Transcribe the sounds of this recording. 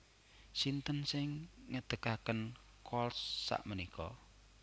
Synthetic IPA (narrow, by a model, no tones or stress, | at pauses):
sint̪ənsɪŋŋəd̪̥əkakən | kɔlsːa̰ʔmənikɔ